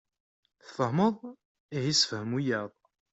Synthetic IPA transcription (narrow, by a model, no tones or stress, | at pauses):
θθəhməðˤ | ihisə̥fhəmujæðˤ